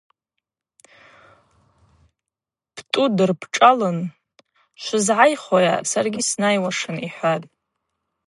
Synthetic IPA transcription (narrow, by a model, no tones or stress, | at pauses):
b̥ʰtʼudɨrpʰʈ͡ʂʼalɨn | ʃʷʊzʕajχoja̰sarɡʲisnajwaʂɨniħʷatʼ